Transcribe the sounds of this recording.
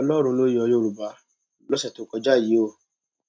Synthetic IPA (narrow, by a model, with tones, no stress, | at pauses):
ɔ˧lɔ˦ɾ̃ũ˧˦lo˦i˦ɔ˧jo˦ɾu˨ba˧ | lo˦sɛ˦˨to˨˦kɔ˧d͡ʒa˦˨ji˨˦o˦˨